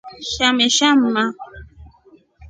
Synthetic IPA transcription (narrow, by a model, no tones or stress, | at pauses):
ʃameʃam̩mã